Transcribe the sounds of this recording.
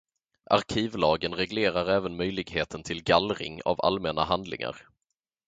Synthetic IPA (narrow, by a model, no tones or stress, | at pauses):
ʔaɾkʰiːvlɑːɡənɾɛɡleːɾaɾɛːvənmœjlɪɡheːt̪ʰənt̪ʰɪlɡalɾɪ̰ŋa̰va̰lmɛna̰ɦand̪lɪ̰ŋa̰ɾ